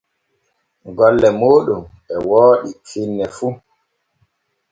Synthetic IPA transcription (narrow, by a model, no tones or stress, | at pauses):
ɡɔlːɛmoːɗumɓɛwɔːɗifinːɛfu